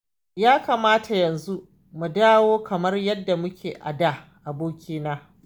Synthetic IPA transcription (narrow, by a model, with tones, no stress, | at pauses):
jaː˦kaː˨maː˦tʰa˨jɐ˨nzu˦ʔ | mu˨daː˦woː˦kɐ˨mɐ˦rjɐ˦dːa˨mʊ˦kʲeː˨ʔa˨daː˦˨ʔa˨boː˦kʲiː˦naː˦